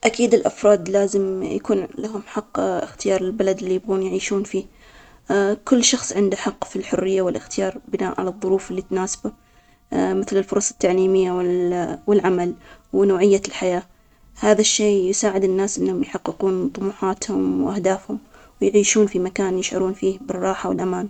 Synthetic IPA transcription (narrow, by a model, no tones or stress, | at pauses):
ʔakiːd̪ɪlʔa̰fɾˤɑːd̪laːzɪmjakuːnlaɦʊmħɑqːxt̪ɪjɑːɾˤɪlbalad̪ɪlːijɪbɣuːnjʕiːʃuːnfiː | kʊlːʃɑxsˤʕɪnd̪aħɑqːfilħʊrːɪjːawɪlʔɪxt̪ɪjɑːɾˤbɪnaːʔʕa̰lɑðˤːʊɾuːfɪlːit̪naːsḁba | mɪθlɪlfʊɾˤɑsˤɑ̥t̪ːaʕliːmɪjːawwɪlʕamalwnoːʕɪjːalħajaː | haːðaʃːeːjʊsaːʕɪd̪ɪnːaːsʔɪnːhʊmjħɑqːɪquːnt̪ˤʊmuːħaːt̪hʊmwʔahd̪aːfhʊm | wɪjʕiːʃuːnfimakaːnjɪʃʕʊ̰ɾuːnfiːbɪrˤːɑːħawɪlʔamaːn